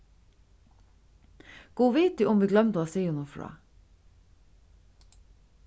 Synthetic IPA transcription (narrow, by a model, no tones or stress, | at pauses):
ɡ̥uːʋiːt̪̚ʉːʔʊmʋiːɡlœmt̪oːɑːsiːʊnuːfɹɑ̰ː